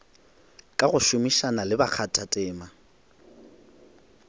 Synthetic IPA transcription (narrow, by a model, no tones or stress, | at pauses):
kʼaɣʊʃʊmiʃanalɪbak͡xʰatʼatʼɛːma